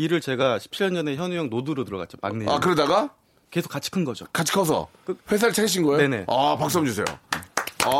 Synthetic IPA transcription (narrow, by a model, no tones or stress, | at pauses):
iɾɯɭt͡ɕe̞ɡaɕʰi̥p̚t͡ɕʰiʎjʌnd͡ʑʌne̞çjʌnujʌŋnoduɾotɯɾʌɡa̰t̚t͡ɕ͈oma̰ŋnea̰kɯɾʌdaɡa | ke̞sʰo̥k͈at͡ɕʰi̥kʰɯnɡʌd͡ʑokat͡ɕʰi̥kʰas̬ʰʌ̰kɯɸwes̬ʰaɾɯɭt͡ɕʰaɡiɕʰinɡʌeoe̞ne̞apak̚s͈ʌmd͡ʑus̬ʰe̞jo̰